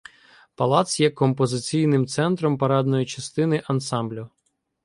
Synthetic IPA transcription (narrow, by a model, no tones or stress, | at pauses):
pɐlˠɑt̪sjɛkɔmpɔzɪt͡sʲijnɪmt̪sɛnt̪ɾɔmpɐɾɑd̪nɔjit͡ʃɐst̪ɪnɪʔɐnsɑmblʲʊ